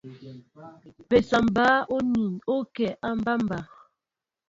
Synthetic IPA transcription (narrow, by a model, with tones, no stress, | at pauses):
be˨sa˨mbaː˦o˦ni˨no˦kɛ˨ʔa˦m˦ba˦m˦ba˨